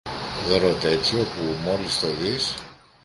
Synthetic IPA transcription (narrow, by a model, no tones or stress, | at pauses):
ðoɾot̪e̞t͡sio̞pumo̞list̪oðis